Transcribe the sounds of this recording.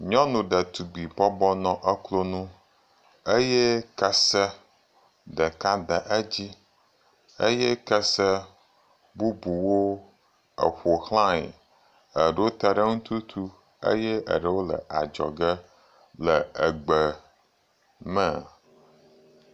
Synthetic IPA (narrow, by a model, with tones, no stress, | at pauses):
ɲɔ̃˦nũ˨ɖə˨t̪u˨ɡ͡bi˨bɔ˦bɔ˦nɔ̃˨ʔə˦klo˦nũ˦ | e˦jɛ˦kə˦sə˦ | ɖə˨ka˦d̪ə˨ʔə˦d͡ʑi˦ | e˦jɛ˦kə˦sə˦ | bu˦bu˨wo˦ | ə̰˨ɸo˨xlã˦ḛ˨ | ə˨ɖə˦wo˦t̪a˨ɖə˦ŋũ˦t̪u˦t̪ʰu˦ | ḛ˦je˦ə̰˨ɖə˨wo˦lə̰˨ʔa̰˨d͡ʒɔ̰˨ɡə˦ | lə˨ə˨ɡ͡bə˨ | mə̃˦˨